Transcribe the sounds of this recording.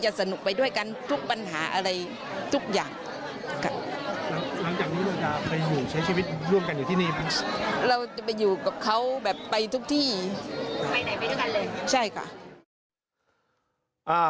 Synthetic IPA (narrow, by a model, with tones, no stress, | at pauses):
t͡ɕa˨˩ʔsa˧nu˨˩k̚pa˧jdu˥˩əjka˧nt̪ʰu˦˥k̚pa˧nɦaː˩˦ʔa̰˧ɾa˧j | t̪ʰu˦˥k̚jaː˨˩ŋ | kʰa̰˧˩la˨˦ŋla˨˩˦ŋt͡ɕaː˨˩k̚niː˦˥la˧wt͡ɕa˧˩pʰa˧jːuː˨˩t͡ɕʰjt͡ɕʰiː˧wi˦˥t̪̚ɾu˥˩əmka˧njuː˨˩t̪ʰiː˧˩niː˧˩˧ɾa˧wt͡ɕa˨˩pa˧juː˨˩ka˨˩p̚kʰa˦˥wbɛː˨˩pːa˧jt̪ʰu˦˥k̚t̪ʰiː˥˩ | pa˧jda˨˧˩jpa˧jdjka˧nlɤː˧jt͡ɕʰa˥˩jkʰa̰˥˩ʔ | ʔaː˧˩